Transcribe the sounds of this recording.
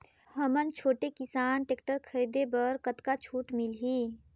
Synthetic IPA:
həmənt͡ʃʰoːʈekisaːnʈeːkʈəɾkʰəjd̪ebəɾkət̪kat͡ʃʰuːʈmilɦi

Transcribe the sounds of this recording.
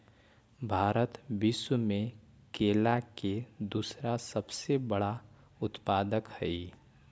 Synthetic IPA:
bʱaːɾət̪bɪsmẽ | keːlaked̪uːsɾasəbsebəɽa | ʊt̪paːd̪əkhɛi

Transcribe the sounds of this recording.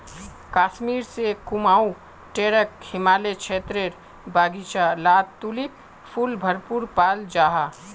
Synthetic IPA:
kaːʃmiːɾsekʊmaːũ | ʈeːɾəkhɪmaːlet͡ʃʰeːt̪ɾeɾ | baːɡit͡ʃalaːt̪ulip | pʰːuːlbʱəɾpuɾpaːld͡ʒaːɦa

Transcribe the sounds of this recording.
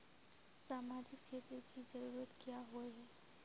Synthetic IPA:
saːmaːd͡ʒɪk̚t͡ʃʰeːt̪ɾəkid͡ʒɐɾuːɾət̪kijaɦoeɦɛ

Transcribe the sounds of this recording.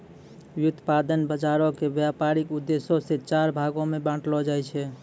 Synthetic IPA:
wjut̪pad̪ənbəd͡ʒaɾɔkebjapaɾikud̪ːesoset͡ʃaɾbʱaɡomebãʈlɔd͡ʒajt͡ʃʰɛ

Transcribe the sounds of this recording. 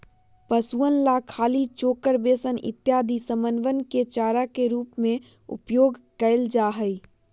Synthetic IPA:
pəsuənlaːkʰːaːlit͡ʃoːkəɾbeːsənɪ̰t̪jaːd̪ʱisəmənʋənket͡ʃaːɾakeɾuːpmẽ | ʊ̰pjoːɡkəɪld͡ʒaːɦəi

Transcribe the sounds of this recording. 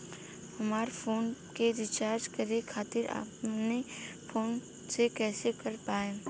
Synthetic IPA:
hɐmaːɾfʰoːnkeɾɪt͡ʃaːɾd͡ʒkɐɾekʰaːt̪ɪɾa̰ːpnefʰoːn | sekɛːsekɐɾpaːẽː

